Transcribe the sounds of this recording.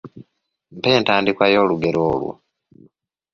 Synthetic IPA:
mpe̞ːntaːndikwajo̞ːluɡe̞ɾoːlwo̰

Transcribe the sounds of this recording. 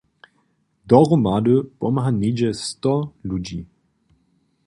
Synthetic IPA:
dɔʁəmadəpɔmɦaned͡ʒɛstɔlud͡ʒḭ

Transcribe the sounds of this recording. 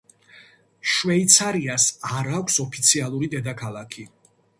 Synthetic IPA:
ʃvɛit̪sʰaɾiasaɾakʷʰsɔpʰit̪sʰialˠuɾid̪ɛd̪akʰalˠakʰi

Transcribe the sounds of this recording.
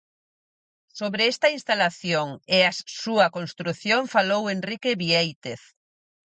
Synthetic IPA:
soβɾeest̪ɐinst̪alaθjoŋeassuɐkonst̪ɾuθjoŋfalowenrikeβiejt̪eθ

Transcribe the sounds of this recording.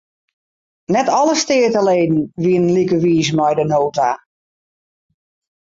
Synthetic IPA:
nɛtɔləstɪːtəleːdn̩ʋiənənlikəʋiːsmɛjdənoːta

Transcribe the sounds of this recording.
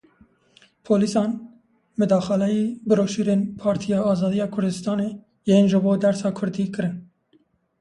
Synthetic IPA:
pʰoːlisɑːn | mɨd̪ɑːxɑlɛjiːbɨɾoːʃiːɾeːnpʰɑːɾt̪ʰijɑːɑːzɑːd̪ijɑːkʰʊɾd̪ɨst̪ɑːneː | jeːnʒɨboːd̪ɛɾsɑːkʰʊɾd̪iːkɨɾɨn

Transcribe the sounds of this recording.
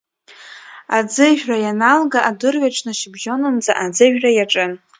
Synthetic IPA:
ad͡zɨʒᶣrajanalɡaʔadɨrɥʷaʈ͡ʂʰʼnɨʃɪbʒonɨmd͡zaʔad͡zɨʒᶣrajaʈ͡ʂʼɨn

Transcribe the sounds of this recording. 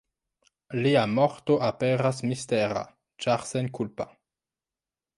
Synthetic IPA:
liamo̞ɾto̞ʔapeɾasmisteɾa̰ | t͡ʃaɾsenkulpa

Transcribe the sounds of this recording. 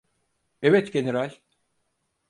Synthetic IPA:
evɛt̪ɟeneɾalʲ

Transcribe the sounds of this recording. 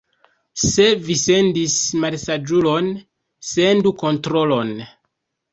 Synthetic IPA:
se̞vise̞ndismalsad͡ʒulo̞n | senduko̞ntɾo̞lo̞n

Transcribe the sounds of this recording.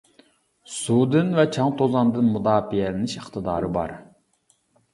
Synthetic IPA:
sud̪ɨnvɛt͡ʃʰɑŋt̪ʰozɑnd̪ɨnmud̪ɑːfijɛlɪnɪʃəχt̪ʰɨd̪ɑːɾɨbɑ̰ɾ

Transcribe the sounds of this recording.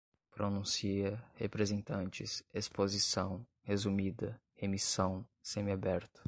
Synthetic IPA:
pɾonũsiɐhepɾezẽnt̪ɐ̃nt͡ʃɪsespozisɐ̃w̃ | hezumid̪ɐ | emisɐ̃w̃sẽmɪabɛɾt̪ɐ̥

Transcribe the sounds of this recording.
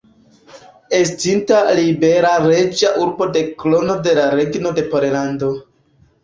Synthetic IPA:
e̞stintalibe̞ɾaɾe̞d͡ʒaʔuɾbo̞de̞klo̞no̞de̞laɾe̞ɡno̞de̞poɾelando̞

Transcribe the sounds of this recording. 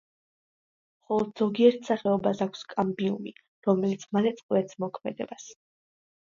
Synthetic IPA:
mχɔlˠɔd̪z̥ɔɡiɛɾt̪ʰsaχɛɔbasakʷʰskʼambiṵni | ɾɔmɛlit̪sʰmalɛt̪sʼqʼwɛt̪sʰmɔkʰmɛ̰d̪ɛ̰bas

